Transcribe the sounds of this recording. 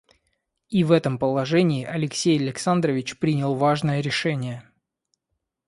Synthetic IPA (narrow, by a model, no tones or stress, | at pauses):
ivɛt̪əmpəlˠɐʐɛnʲɪːʔɐlʲɪksʲejɐlʲɪksand̪rəvʲɪt͡ɕpɾʲinʲɪlˠvaʐnəjəɾʲɪʂɛnʲɪjə